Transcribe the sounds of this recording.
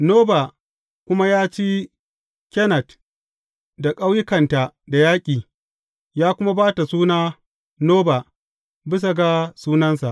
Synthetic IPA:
noː˦ba˨ | kʷʊ˦ma˦jaː˦t͡ʃiː˦ | kʲɛ˦nɐ˨t | da˨kʼa˦wjɪ˦kɐ˨nta˨da˨jaː˦kʲʼiː˨ | jaː˦kʷʊ˦ma˦baː˦ta˨suː˦naː˦ | noː˦ba˨ | bɪ˦s̬a˨ɡa˦suː˦nɐ˦nsa˨ʔ

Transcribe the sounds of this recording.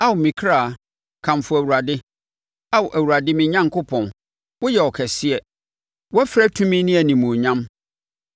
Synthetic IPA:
a˦wʊ˨mĩ˨kʰɾa˦˨ | kʰã˨mfʊ˨æ˨wu˨ɾa˨dɪ˦ | a˦wʊ˨ʔæ˨wu˨ɾa˨dɪ˦mɪ̃˨ɲã˦ŋkʰʊ˦pʰɔ̃˨n | wʊ˦jɛ˨ɔ˨kʰɛ˨sɪ˦ɛ˨ | wɔ˦fɾɛ˦tʰũ˦mĩ˦nĩ˦æ˨nĩ˨mũ˨ɲã˦m

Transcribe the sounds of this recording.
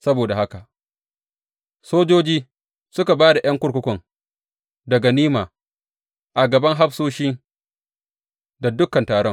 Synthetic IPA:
sɐ˦boː˨da˨ha˦ka˨ | soː˦d͡ʒoː˦d͡ʒiː˦ | sʊ˦ka˨baː˦da˨j̰ɐ˦ŋkʷʊ˦ɽkʷʊ˦kʷɔ˨ŋ | dɐ˨ɡa˨niː˦maː˨ | ʔa˨ɡɐ˨bɐ˦ŋɦa˦ɸsoː˦ʃi˦ | da˨dʊ˦kːɐ˨ntaː˨ɽɔ˦ŋ

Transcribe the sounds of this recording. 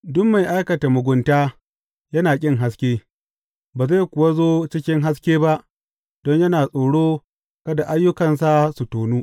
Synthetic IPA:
dʊ˦mma˨jʔa˦jkɐ˨ta˨mʊ˨ɡʷʊ˨ntaː˦ | jɐ˦naː˨kʲʼɪ˦ŋɦa˦s̬kʲeː˦ | baː˨za˦˨jkʷʊ˨wa˦zoː˦t͡ʃɪ˦kʲɪ˦ŋɦa˦s̬kʲeː˦ba˦ʔ | d̥ɔ˦ɲjɐ˦naː˨sʼoː˨ɽoː˦ | kɐ˦da˨ʔa˦jːʊ˦kɐ˨ns̬a˦su˨toː˨nuː˦

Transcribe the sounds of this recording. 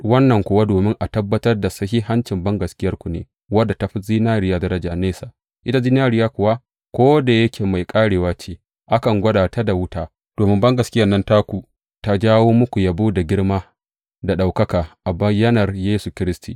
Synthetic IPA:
wɐ˦nːɐ˨ŋkʷʊ˨wa˦doː˨mɪ˦ŋʔa˨tɐ˦bːɐ˦tɐ˦rda˨sɐ˦hi˦ɦa˦nt͡ʃɪ˨mbɐ˦ŋɡɐ˨skʲɪ˦jɐ˦rkʷu˨nḛː˨ | wɐ˦dːa˨ta˦ɸi˦ziː˦naː˦ɾɪ˨jaː˦dɐ˦ɾɐ˦d͡ʒaː˨neː˦saː˨ | ʔɪ˦ta˦zi˦naː˦ɽɪ˨jaː˦kʷʊ˨wa˦ | kʷoː˦da˨jɐ˦kʲʰeː˨ma˨jkʼaː˦ɽeː˨waː˦t͡ʃeː˦ | ʔa˦kɐ˨ŋɡʷɐ˦ɗaː˨ta˦da˨wʊ˦taː˦ | d̥oː˨mɪ˦mbɐ˦ŋɡɐ˨skʲɪ˦jɐ˨nːɐ˦ntaː˦kʷu˨ | ta˦d͡ʒaː˦woː˦mʊ˦kʷu˨ja˦buː˦da˨ɡʲɪ˦ɽmaː˦ | da˨ɗa˨wkɐ˦kaː˨ʔa˨bɐ˦jɐ˦nɐ˨rjeː˦su˨kʲɪ˦ɾɪ˦stḭ˨

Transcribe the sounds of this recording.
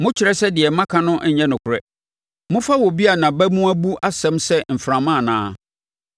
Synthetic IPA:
mʊ̃˦t͡ɕʰɪ˨ɾɛ˦sɛ˦dɪ˨ɛ˨mã˦kʰã˦nʊ̃˦ʔɲ̩˨ɲɛ̃˦nʊ̃˨kʰʊ˨ɾɛ˦ | mʊ̃˦fa˦wɔ˨bi˦a˨nã˨bæ˦mũ˦æ˦bu˦ʔa˦sɛ̃˦msɛ˦m̩˨fɾã˨mã˦˨nãː˦

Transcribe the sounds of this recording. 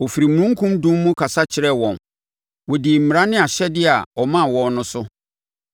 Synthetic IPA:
wo˨fi˨ɾi˨mũ˦ŋ̩˦kʰũ˦mdũ˦mː˦ũ˦kʰa˨sa˦t͡ɕʰɪ˨ɾɛ˦wɔ̃˨n | wɔ˨di˨m̩˨m˨ɾã˦nɪ̃˦a˨ɕɛ˦dɪ˦a˨ɔ˨mã˦˨wɔ̃˨nnʊ̃˦sʊ˦

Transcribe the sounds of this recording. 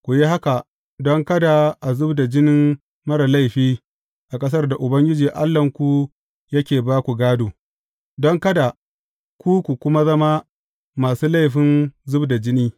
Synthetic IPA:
kʷu˨ji˦ɦa˦ka˨ | dɔ˦ŋkɐ˦da˨ʔa˨zʊ˦bda˨d͡ʒɪ˦nɪ˦m | mɐ˦ɽa˨la˦jɸiː˦ | ʔa˨kʼɐ˦s̬ɐ˦rda˨ʔʊ˨bɐ˦ŋɡʲɪ˦d͡ʒiː˨ʔa̰˦lːɐ˨ŋkʷu˨ | jɐ˦kʲeː˨baː˦kʷu˨ɡaː˦doː˨ | dɔ˦ŋkɐ˦da˨ | kʷuː˦kʷu˨kʷʊ˦ma˦zɐ˦ma˦ | maː˨suː˦la˦jɸɪ˦nzʊ˦bda˨d͡ʒɪ˦niː˦

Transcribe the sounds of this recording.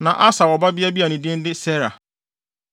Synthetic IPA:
nã˨ʔa˦sa˨ɔ˨ba˦bi˦a˦bi˦a˨nĩ˨dɪ˦n̩˦dɪ˦sɛ˦ɾa̰˨

